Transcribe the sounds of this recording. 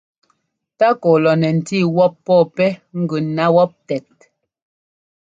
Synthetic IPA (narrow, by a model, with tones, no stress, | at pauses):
ta˦ko˨lɔ˨nɛ˨n̩˨ti˦˨wɔ˦pːɔ˦˨pɛ˦ŋ̩˦ɡʉ˨na˦wɔ˦p̚tɛ˨t̚